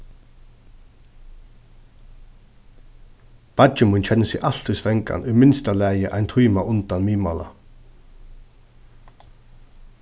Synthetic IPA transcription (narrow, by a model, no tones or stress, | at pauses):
b̥ad͡ʒəmunt͡ɕʰɛnəsiʔɑl̥t̪ʉsʋɛŋka̰nʉmɪnst̪alæːjəʔaɪnt̪ʰuːmaʔʊnt̪anmiːmɑːla̰